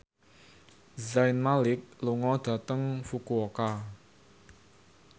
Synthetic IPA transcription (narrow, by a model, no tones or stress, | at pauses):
zajnmalɪk̚luŋɔd̪̥ä̤t̪əŋfukuoka